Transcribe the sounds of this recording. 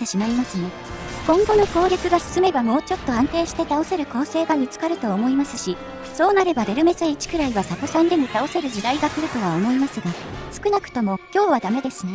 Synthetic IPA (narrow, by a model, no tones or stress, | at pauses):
t̪eɕimaimasɨne̞ | kõ̞ŋɡo̞no̞ko̞ːɾʲokɯɡasɨ̥sɨme̞bamo̞ːt͡ɕo̞t̪ːo̞ãnt̪e̞ːɕi̥t̪e̞t̪ao̞se̞ɾɯ̟ko̞ːse̞ːɡamʲit͡sɨ̥kaɾɯ̟t̪o̞ːmo̞imasɨɕi | so̞ːnaɾe̞bad̪e̞ɾɯ̟me̞zeit͡ɕi̥kɯ̟ɾaiβasakosãnd̪e̞ɲ̟it̪ao̞se̞ɾɯ̟ʑid̪aiɡakɯ̟ɾɯ̟t̪o̞βaomo̞imasɨɡasɨ̥kɯ̟nakɯ̟̥t̪o̞mo̞kʲo̞ːβad̪ame̞d̪e̞sɨne